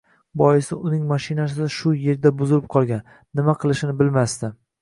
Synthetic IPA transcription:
bɒjɪsɪʊnɪŋmaʃɪnas̬ɪd̪aʃʊje̞ɾd̪abʊzɪlɪp̚qʰɒlˠɡʲanː | ɪmaqʰɨlˠɪʃɪnɪbɪlmast̪ɪ

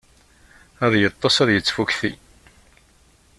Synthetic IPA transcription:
æðjət̪ˤːɑsæðjət͡sːfukθḭ

